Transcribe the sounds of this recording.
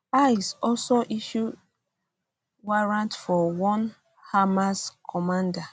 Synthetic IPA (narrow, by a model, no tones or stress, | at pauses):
aisɔlsoʔiʃud | waɹãntfɔwɔ̃n | hamaskʰɔmãnda